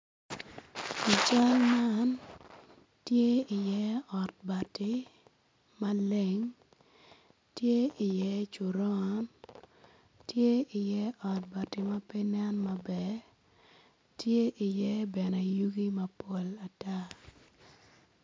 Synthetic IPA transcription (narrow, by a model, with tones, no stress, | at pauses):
i˨t͡ʃa˦lma˦n | tje˦ɪ˨jɛ˦ɔ˨t̚ba˨tɪ˦ | mɐ˦le˨ŋ | tje˦ɪ˨jɛ˦t͡ʃu˨ɾɔ˦n | tje˦ʔɪ˨jɛ˦ʔɔ˨t̚ba˨ti˨mɐ˦pe˦na˦nmɐ˨bɛ˦˨ | tje˦ʔi˨jɛ˦bɛ˨ne˨ju˦ɡi˦mɐ˨po˦la˨ta˦